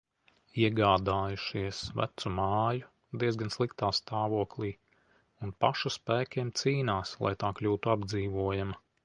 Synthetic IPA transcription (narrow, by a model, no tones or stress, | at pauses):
iɛɡaːd̪aːjuʃiɛsvæ̰t̪sumɑːju | d̪iɛzɡanslˠikt̪aːst̪aːvuɔklˠiː | unpaʃuspæːkʲiɛmt̪siːnaːslˠa̰jt̪aːklʲuːt̪uab̚d̪ziːvuɔjama